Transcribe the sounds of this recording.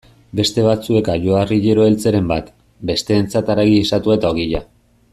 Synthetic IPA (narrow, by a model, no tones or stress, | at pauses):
be̞st̪e̞β̞at͡sue̞kaʝo̞ariʎeɾo̞e̞lt͡se̞ɾe̞mbat̪ | be̞st̪e̞ːnt͡sat̪aɾaɣiesat̪uaet̪aoɣiʎa